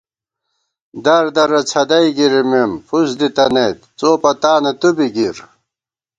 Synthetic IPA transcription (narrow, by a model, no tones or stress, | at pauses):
d̪ɐɾd̪ɐɾɐt͡sʰɐd̪ɐjɡiɾimemfusd̪it̪ɐnejt̪t͡soːpɐt̪aːnɐt̪ubiɡiɾ